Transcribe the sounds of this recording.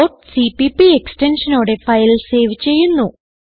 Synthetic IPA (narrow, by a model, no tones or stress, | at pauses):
oːʈsipipieksʈenʂɐnoːɽe̞fɐjlse̞ːʋit͡ɕːe̞jːunːu